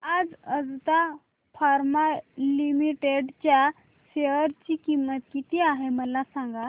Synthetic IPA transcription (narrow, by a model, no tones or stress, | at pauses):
ad͡zəd͡zt̪a | faɾmalimiʈeɖt͡ɕja | ɕeəɾt͡ɕikimːət̪kit̪iaɦeməlasãŋɡa